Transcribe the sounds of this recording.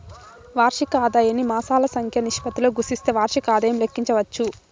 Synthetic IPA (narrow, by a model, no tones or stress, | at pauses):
ʋaːɾʂikaːd̪aːjɐnimaːsaːlɐsɐŋkʰjɐniʂpɐt̪iloːɡusist̪e̞ːʋaːɾʂikaːd̪ɐjɐmlekːiɲt͡ʃɐʋɐt͡ʃːu